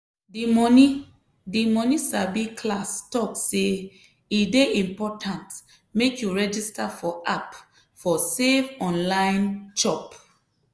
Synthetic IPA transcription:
dimɔni | dimɔnisabikʰlastɔkse | ideʔĩmpɔtʰãnt | mekjuɹɛd͡ʒistafɔʔap | fɔsevɔ̃nlãɪnt͡ʃɔp

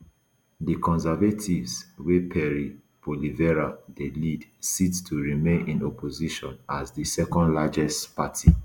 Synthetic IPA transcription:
dikɔ̃nsɛvatʰivswepʰɛɹi | b̥olivɛɹadelidsittʰuɹimẽnĩnɔpʰoziʃɔ̃nazdisɛkɔ̃ndlad͡ʒɛstpatʰi

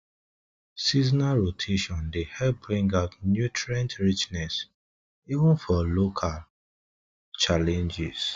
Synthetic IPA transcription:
siznaɹotʰeʃɔ̃ndehɛlp̚bɹĩŋɡaʊtnjutɹɛ̃ntɹit͡ʃnɛs | ivə̃nfɔlokʰal | t͡ʃalɛ̃nd͡ʒiz

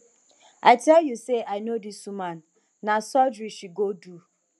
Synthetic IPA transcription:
aɪtɛljuseʔaɪnodisumãnː | asɔd͡ʒɹiʃiɡodu

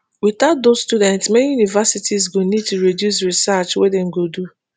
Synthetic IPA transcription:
witaʊt̚dosstudɛ̃ntsmɛnijunivasitʰisɡonid̚tuɹidjus̬ɹisat͡ʃwedeŋ̩ɡodu

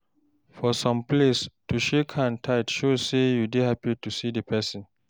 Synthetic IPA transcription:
fɔsɔ̃mplestuʃekʰãntʰaɪtʃosejudehapitusidəpʰɛsĩn

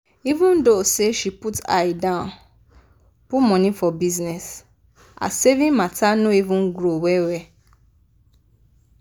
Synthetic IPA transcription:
ivũndoseʃiputa̰jidãn | pumɔ̃nĩfɔbiznɛs | a̰sevĩmatʰanũivũnɡɾowɛwɛ

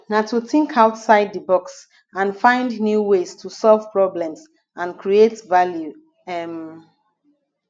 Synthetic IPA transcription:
natutɪ̃ŋkʰaʊtsaɪd̚dəbɔks | ãnfãɪ̃ndnjuwestʰusɔlv̥pɹɔblɛ̃ms | ãnkʰɹietvalju | ɛm

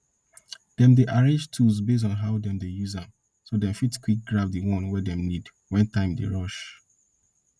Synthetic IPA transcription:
d̥ɛ̃mdeʔaɹẽd͡ʒtʰuzbes̬ɔ̃nɦaʊdɛ̃mdejuzãm | sodɛ̃mfitkwik̚ɡɹavdiwɔ̃nwɛdɛ̃mnid | wɛ̃ntãɪ̃mdḛɹɔʃ

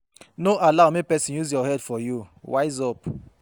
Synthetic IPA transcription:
noʔalawmipɛsĩnjuzjɔhɛdfɔjuwajzɔp

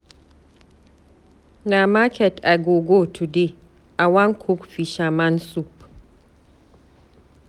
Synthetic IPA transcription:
namakʰɛtʔaɡoɡotʰude | ʔawaŋkʰukfiʃamansup

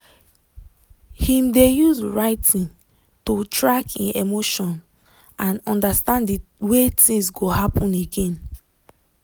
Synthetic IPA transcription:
hĩmdejuzɹaɪtʰĩn | totɹakḭ̃nemoʃɔ̃n | ãnɔ̃ndastãndiwetĩŋsɡohapɔ̃neɡẽn

